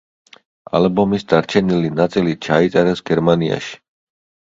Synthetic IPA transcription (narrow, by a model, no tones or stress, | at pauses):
a̰lbɔmisd̪aɾt͡ʃʰɛnilinat̪sʼilit͡ʃʰait̪sʼɛɾɛsɡɛɾmania̰ʃi̥